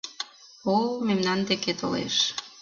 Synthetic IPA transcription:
olmemnɑnd̪eket̪olḛʃ

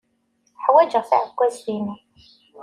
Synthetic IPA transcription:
ħwæd͡ʒəʁθa̰ʕəɡʷːæslini

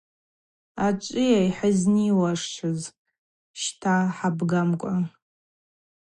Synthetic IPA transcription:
at͡ʃʷʼijajħəzniwaʂt͡ʃʰɨz | ʃtʰaħabɡamkʷʼa

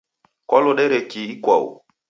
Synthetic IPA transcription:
kɔlʊɗɛɾɛkiikwa̰ṵ

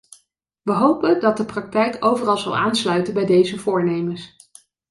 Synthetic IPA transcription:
ʋəɦowpəndɑt̚dəprɑk̚tɛjkowvərɑlˠzɑ̰lˠaːnslœɥtənbɛjdejzəvʊːɹnejməs

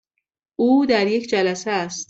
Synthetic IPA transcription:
uːd̪æɾjekd͡ʒælæsææst̪

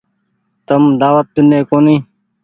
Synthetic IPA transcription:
t̪əmd̪aːʋət̪̚ːɪnẽːkoːnĩː

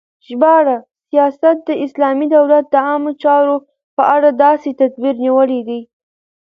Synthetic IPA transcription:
ʒbɑɽa | sijɑsat̪̚d̪əɪslɑmid̪awlat̪̚d̪əɑmot͡ʃɑɾo | pəʔaɽad̪ɑset̪at̪biɾniwəled̪əj

